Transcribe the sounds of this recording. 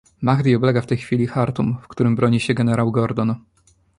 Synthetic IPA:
maɣd̪iɔblɛɡaft̪ɛjxfʲilʲixaɾt̪umfkt̪uɾɘmbɾɔɲiɕɛɡɛnɛɾawɡɔɾd̪ɔn

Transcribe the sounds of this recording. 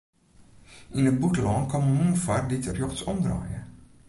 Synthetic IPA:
ʔinət̚butlɔnkɔməmufarditərjɔxtsɔmdra̰ːjə

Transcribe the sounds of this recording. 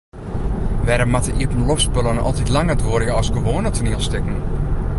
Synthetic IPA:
ʋɛɾəmatəʔiətn̩lɔfspølənɔ̰lˠtitlaŋədʋoərjəɔsɡoʋoːnətʰuniəlˠstɪkn̩

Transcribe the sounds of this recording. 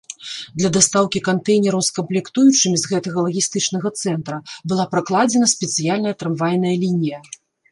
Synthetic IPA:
d̪lʲɐd̪ast̪awkʲikant̪ɛjnʲɛɾɐwskɐmplʲɛkt̪ujut͡ʂɨmʲizɣɛt̪ɐɣɐlˠɐɣʲist̪ɨt͡ʂnɐɣɐt̪sɛnt̪ɾɐbɨlˠapɾaklˠad͡zʲɛnɐsʲpʲɛt̪sɨjalʲnɐjɐt̪ɾɛmvajʲnɐjɐlʲinʲijɐ

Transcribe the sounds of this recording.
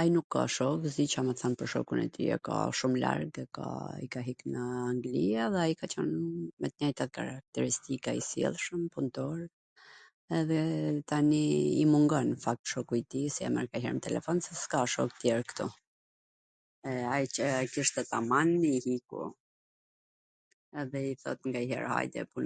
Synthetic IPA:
ajnukʰːa̰ʃɔkzit͡ʃaməθanpəɾʃɔ̰kunɛ̰t̪ḭɛ̰ka̰ʃumla̰ɾɡɛka̰ḭkaɦiknəaŋɡliaðɛajikat͡ʃənmɛt̪̚ɲɛjt̪at̪ka̰ɾak̚t̪ɛɾist̪ikaḭsjɛ̰lˠʃəmpunt̪ɔɾ | ɛðɛt̪aniːmuŋɡɔnfak̚t̪ʃɔkuit̪isia̰mɛ̰ɾkaɦɛ̰ɾmət̪ɛlɛ̰fɔnsɛskaʃɔkt̪jɛɾkt̪u | ɛajəkiʃt̪ɛt̪amanihikṵ | ɛðɛiθɔ̰t̪ŋɡaɦɛ̰ɾha̰jd̪t̪ɛ̰pun

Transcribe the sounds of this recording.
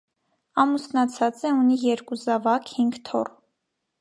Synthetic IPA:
ɑmusnɑt͡sʰɑt͡sɛunijɛɾkuzɑvɑkhiŋɡt̪ʰɔ̰r

